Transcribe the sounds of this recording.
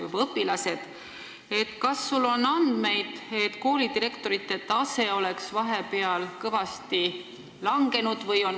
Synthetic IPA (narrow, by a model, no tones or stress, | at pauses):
jṵbɑɤpːˑilɑse̞d̪̥ | e̞t̪kɑsːulːo̞nɑnd̪̥me̞jd̪̥e̞t̪ːko̞ːlid̪iɾe̞kt̪oɾit̪ːˑe̞t̪ːɑse̞o̞le̞ksvɑɦe̞pe̞ɑlkɤvɑst̪i | lɑŋɡe̞nud̪̥vɤ̞jo̞n